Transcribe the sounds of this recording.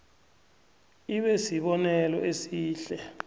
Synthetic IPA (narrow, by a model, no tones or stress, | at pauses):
iɓɛsiɓɔnɛlɔ̰ʔesiːɬɛ